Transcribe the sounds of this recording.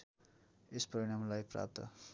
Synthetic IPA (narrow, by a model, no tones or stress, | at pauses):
espʌɾiɽ̃amlajpra̰p̚t̪ʌ̰